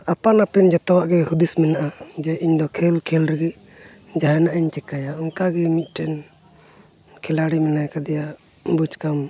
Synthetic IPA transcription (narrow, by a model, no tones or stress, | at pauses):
apanapɛnd͡ʒɔt̪ɔwaʔɡɛhud̪ismɛnaʔad͡ʒɛʔiɲd̪ɔkʰɛlkʰɛlɾɛɡɛ | d͡ʒaɦɛnaʔiɲt͡ʃɛkajaɔŋkaɡɛmit̪̚ˀʈɛn | kʰɛlaɽimɛnajkad̪ɛja | bud͡ʒkam